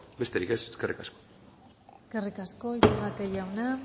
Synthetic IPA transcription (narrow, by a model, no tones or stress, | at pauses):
be̞st̪e̞ɾike̞seskerḭkasko̥ | eskerikasko̞ʝarat̪eʝawna